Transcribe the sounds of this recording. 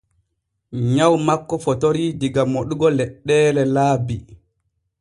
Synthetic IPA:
ɲawmakːɔfɔtoɾidiɡamoɗuɡɔlɛɗːɛːlɛlaːbi

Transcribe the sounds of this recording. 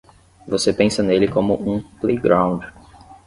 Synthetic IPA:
vosepẽsɐnelɪkõmʊʔũplejɡɾãw̃d͡ʒɪ

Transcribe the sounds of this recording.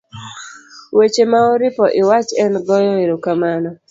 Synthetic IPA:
wet͡ʃemaɔɾɪpɔʔɪwat͡ʃɛnɡɔjɔeɾokamanɔ

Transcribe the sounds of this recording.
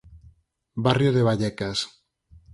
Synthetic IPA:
barjoðeβ̞aʎekas

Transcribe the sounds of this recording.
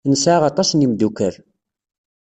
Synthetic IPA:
nəsʕaʁɑt̪ˤɑsnimd̪ukəɾ

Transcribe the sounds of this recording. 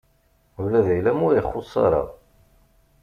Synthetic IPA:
ulæðæjlæmʊɾjəχːosˤːɑ̰ɾˤɑ̰

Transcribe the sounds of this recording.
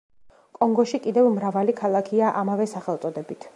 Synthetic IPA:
kʼɔŋɡɔʃikʼid̪ɛvmɾavalikʰalˠakʰiaʔamavɛsaχɛlˠt̪sʼɔd̪ɛbit̪ʰ

